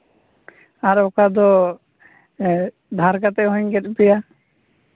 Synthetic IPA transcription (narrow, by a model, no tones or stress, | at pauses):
aɾɔkad̪ɔ | d̪ʱaɾkat̪ɛʔɦɔɲɡɛt̪̚pɛja